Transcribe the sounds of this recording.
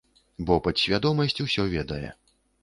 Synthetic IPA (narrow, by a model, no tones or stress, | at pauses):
bɔpɐt̪sʲvʲad̪ɔmɐsʲt͡sʲusʲɔvʲɛd̪ɐjɛ̰